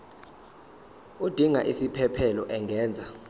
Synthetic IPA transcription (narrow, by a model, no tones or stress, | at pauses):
ud̥ʱiŋa̰ʔisipʰɛpʰɛlɔʔɛŋʱɛːnd͡zʱa